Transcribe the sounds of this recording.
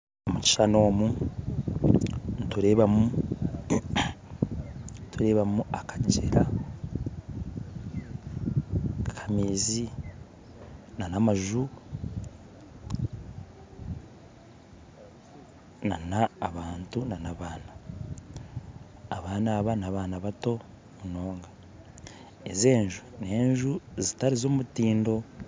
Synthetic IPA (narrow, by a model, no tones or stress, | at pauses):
omuci̥ʃano̞ːmu | ntuɾe̞ːβamu | ntuɾe̞ːβamuakḁɲid͡ʒḛɾa | kʰḁmeːzi | nanamaʒu | na̰naːβaːntunanaβaːna | βaːnaːβanaβaːnaβato̞ | muno̞ːŋɡa | eze̞ːɲʒune̞ːɲʒuzitaɾizoːmutiːndo̞